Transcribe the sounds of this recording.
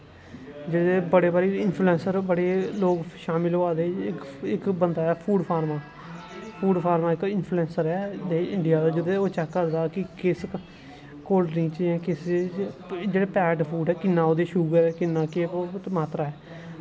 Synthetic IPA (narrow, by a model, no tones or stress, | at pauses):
d͡ʒed̪eːbəɽeːbaɾeːɪnpʰluːɛ̃ːnsəɾbəɽeːloːɡʃaːmɪlɦoːaːd̪eːɪkɪkbənd̪aːɛːpʰuːɖpʰaːɾmaː | pʰuːɖpʰaːɾmaːɪkɪnpʰluɛ̃ːnsəɾɛːd̪eːɪ̃ɳɖɪjaːd̪aːd͡ʒəd̪eːoːt͡ʃɛkːəɾd̪aːkɪkɪs | koːlʈnĩːt͡ʃɛ̃ːkɪsed͡ʒeːɽeːpɛːʈpʰuːɖɛːkɪnːãːoːd̪eːʃuːɡəɾɛːkɪnːãːkeomaːt̪ɾaːɛː